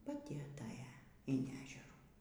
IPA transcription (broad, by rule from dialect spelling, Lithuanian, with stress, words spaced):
pɐˈtʲɪ ɐˈtɑːjɛ ɪn ˈæːʒʲɛruː